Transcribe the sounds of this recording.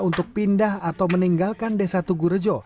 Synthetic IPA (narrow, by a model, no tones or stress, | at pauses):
unt̪ʊk̚pindahat̪awməniŋɡalkandesat̪uɡuɾəd͡ʒɔ